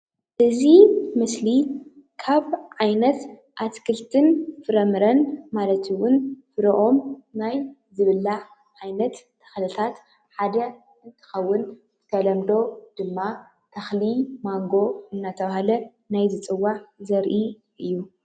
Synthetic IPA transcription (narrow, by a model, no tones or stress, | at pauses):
ʔɨzimɨsli | kʰaβʕajnɐt̪ | ʔat̪kʰɨlt̪ʰɨnfɨɾɐmɨɾɐnmalɐt̪ʰuwʊnfɨɾʔo̞mnaj | zɨβɨlːa | ʕajnɐt̪ːʰɐ̥xlɨt̪ʰat̪ | ħad̪ɐ | ɨnt̪ʰɨ̥xɐwːʊn | z̥ɨ̥t̪ʰɐlɐmd̪o̞d̪̥ɨmːa | t̪ʰɐxlimaŋɡo̞ɨnːat̪ʰɐβahalɐ | najzɨt͡sʼɨwːaʕzɐɾʔi | ʔɨjːu